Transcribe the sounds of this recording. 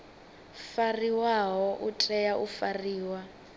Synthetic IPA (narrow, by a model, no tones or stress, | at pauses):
fariwaɦɔʔutʼɛjaʔufariːwa